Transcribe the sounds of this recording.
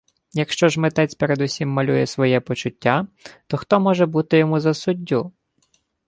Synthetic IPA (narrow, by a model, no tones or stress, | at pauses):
jɐkʃt͡ʃɔʒmet̪ɛt͡sʲpeɾed̪usʲimːɐlʲujɛsʋɔjɛpɔt͡ʃʊtʲːat̪ɔxt̪ɔmɔʒɛbut̪ɪjɔmuzɐsʊdʲːu